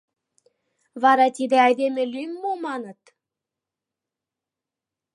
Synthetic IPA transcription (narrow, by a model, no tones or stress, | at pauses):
vɑɾɑt̪id̪ĕɑjd̪emɘ̆lʲymːumɑnɤ̆t̪